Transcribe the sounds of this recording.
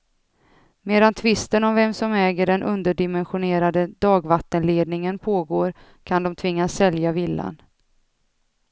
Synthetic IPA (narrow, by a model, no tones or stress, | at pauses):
meːd̪ant̪ʰvɪst̪ənɔmvɛmsɔmɛːɡəɖɛnʔɵnd̪əɖɪmɛnɧʊneːɾad̪əd̪ɑːɡvat̪ːənleːd̪nɪŋənpʰoːɡoːɾ | kʰand̪ɔmt̪ʰvɪŋːasːɛljavɪlːa̰n